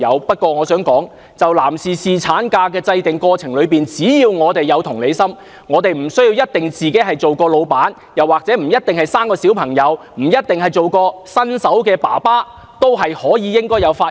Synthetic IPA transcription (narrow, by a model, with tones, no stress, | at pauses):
ɐ˨˧wpɐ˥t̚kʷɔː˧ŋɔː˨˧sœː˨˥ŋkɔː˨˥ŋ | t͡sɐ˨wlaː˨˩msiː˨˩siː˨t͡sʰaː˨˥nkaː˧k̬ɛː˧t͡sɐ˧jt̪ɪ˨ŋkɔː˧t͡sʰɪ˨˩ŋlɵ˨˧piː˨nt͡siː˨˥jiː˧wŋɔː˨˧t̪e˨jːɐ˨˧wt̪ʰʊ˨˩ŋle˨˧jsɐ˥m | ŋɔː˨˧t̪e˨jm̩˨˩sɵ˥ɥjiː˧wjɐ˥t̚t̪ɪ˨ŋt͡siː˨ke˨˥jɦɐ˨jt͡so˨wkɔː˧lo˨˧wpaː˨˥n | jɐ˨˩waː˨˩k̚t͡sɛː˨˥m̩˨˩jɐ˥t̚t̪ɪ˨ŋhɐ˨jsaː˥mkɔː˧si˨˥wpʰɐ˨˩ŋjɐ˨˧w | m̩˨˩jɐ˥t̚t̪ɪ˨˩ŋhɐ˨jt͡so˨wkɔː˧sɐ˥nsɐ˨˥wkɛː˧pa̰ː˨˩paː˥ | t̪o˥wɦɐ˨jhɔː˨˥jiː˨˧jɪ˥ŋkɔː˥jɐ˨˧wfaː˧